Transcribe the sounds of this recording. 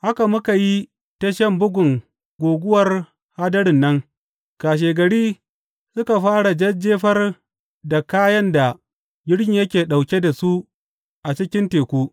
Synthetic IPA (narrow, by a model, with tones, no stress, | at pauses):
ha˦ka˨mʊ˦ka˨ji˦ | tɐ˦ʃɐ˦mbʊ˦ɡʷʊ˨ŋ | ɡʷoː˨ɡʷʊ˦wɐ˨r | haː˦dɐ˦ɽɪ˨nːɐ˦ŋ | kaː˨ʃ̬eː˨ɡɐ˨ɽiː˦ | sʊ˦ka˨ɸaː˦ɽa˨d͡ʒɐ˦d͡ʒːeː˦ɸɐ˦r | da˨kaː˦jɐ˦nda˨ | ɡʲɪ˦ɽkʲi˨jɐ˦kʲeː˨ɗa˨wkʲe˦da˨su˦ | ʔa˨t͡ʃɪ˦kʲɪ˦nteː˨kʷuː˦